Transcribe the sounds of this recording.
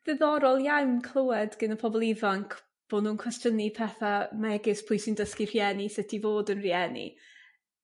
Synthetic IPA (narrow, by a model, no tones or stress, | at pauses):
vɨðɔɾɔlˠjawmkʰl̥ˠəwɛdɡ̥ənəpʰɔbɔlˠivaŋkʰ | b̥oːnuːnkʰwɛstənipʰɛθamaɛɡɪspʰʊjsindəskir̥jɛnisɪtʰivoːdənriɛnḭ